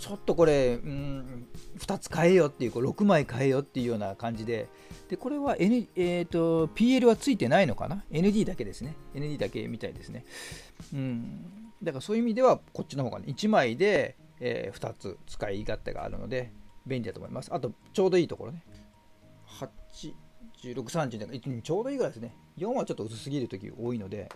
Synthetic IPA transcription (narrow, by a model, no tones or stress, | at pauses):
t͡ɕo̞t̪ːo̞ko̞ɾe̞ɯ̟̃ | ɸɯ̥t̪at͡sɨ̥kae̞jo̞t̪ːeiɯ̟ko̞ɾo̞kɯ̟maikaejo̞t̪ːe̞iɯ̟jo̞ːnakãɲ̟d͡ʑid̪e̞ | d̪̥e̞ko̞ɾe̞βaʔenɯ̟et̪o̞pʲiːe̞ɾɯ̟βat͡sɨit̪e̞naino̞ka̰nae̞nɯ̟d̪ʲiːd̪ake̞d̪e̞sɨne̞e̞nɯ̟dʲiːd̪ake̞mʲit̪aid̪e̞sɨne̞ | ɯ̟̃ɴd̪akaɾasoːjɯimʲid̪e̞βako̞tt͡ɕːinohoːɡanḛit͡ɕimaid̪e̞̰ː | ɸɯ̥t̪at͡sɨ̰t͡sɨ̥kaiɡat̪ːḛɡa̰a̰ɾɯ̟̰no̰d̪e̞bẽ̞nʲid̪at̪o̰mimasɨ̥at̪o̞ | t͡ɕo̞ːd̪o̞iːt̪o̞ko̞ɾo̞ne̞ | hat͡ɕid͡ʑɨːɾo̞kɯ̟sãɲd͡ʑɨaɡkait͡sɨɲiɲt͡ɕo̞ːd̪o̞iːɡɯɾaid̪esɨne | jõ̞βat͡ɕo̞t̪ːoɯ̟t͡sɨsɨɡʲiɾɯ̟t̪o̞kʲḭo̞ːino̞d̪e̞̰